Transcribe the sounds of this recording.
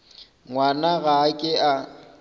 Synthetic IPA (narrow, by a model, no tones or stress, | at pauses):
ŋwanaɣakʼɪʔa